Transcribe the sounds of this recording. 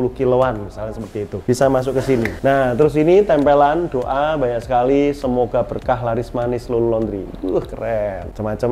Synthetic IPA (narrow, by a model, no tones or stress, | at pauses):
ulukiloanmisalansəpərt̪iːt̪ub̥isamas̬ʊkːəsininaht̪əɾʊsinit̪ɛmpeland̥oʔabaɲaʔksəkalisəmoɡ̥a̤b̥ərkaɦlaɾɪsmanɪslolulɔnd̪ɾiuhkərɛnt͡ʃəmat͡ʃəm